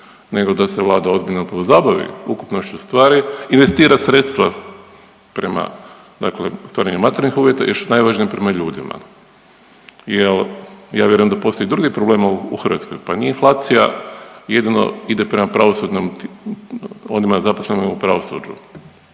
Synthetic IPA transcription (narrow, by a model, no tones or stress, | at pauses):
ne̞ɡo̞d̪aseʋlˠaːd̪ao̞zbiʎnaupɾaʋozaːbaʋḭuku̥pnoʃt͡ɕust̪ʋaːɾiinʋe̞st̪iːɾasɾe̞t̪st̪ʋa | pɾema̰ | d̪aklḛst̪aːɾaɲumat̪eɾɲixuːʋje̞t̪ajeɾsunajʋaːʒnijpɾe̞maʎuːd̪ima̰ | jelja̰ːʋje̞ɾujemd̪apo̞st̪oid̪ɾuɡipɾobleːmaṵxɾrʋa̰t̪skojpanieinflˠaːt̪sija̰jed̪ino̰id̪epɾemapɾaʋosud̪nomt̪ | onimazaposlenoupɾaʋo̞sṵd͡ʒṵ